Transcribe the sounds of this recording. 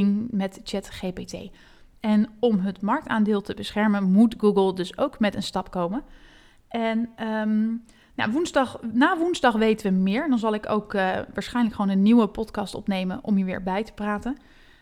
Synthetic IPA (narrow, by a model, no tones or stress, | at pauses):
ŋmɛtt͡ʃɛtχejpetḛj | ɛnɔmɦətmɑɹk̚taːndɪːlˠtəbəsχɛɹmənmutɡuɡəlˠdɵsowkmɛtənstɑpkowmən | ʔɛnəm | ja̰ʋunzdɑχnaːʋunzdɑχʋejtəʋəmɪːɹdɑnzɑlˠɪko̰wkʋaːɹsχɛjnləkχʋownənːiwəpɔtkɑstɔ̰pnejmənʔɔ̰miːɹʋɪ̰ːɹbɛjtə̥praːtən